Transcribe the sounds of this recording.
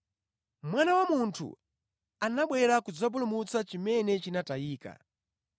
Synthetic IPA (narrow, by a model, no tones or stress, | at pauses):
mwanawamuntʰṵ | anaɓwɛɾakud͡zɔp̬ulumut͡sat͡ʃimɛnɛt͡ʃinataiːka̰